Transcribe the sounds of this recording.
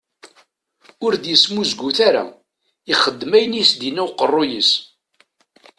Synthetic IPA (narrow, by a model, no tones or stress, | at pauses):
ʊɾd̪jəsmuzɡuθaɾa̰ | iχəd̪ːmæjənisd̪inːæwqərˤːʊjəs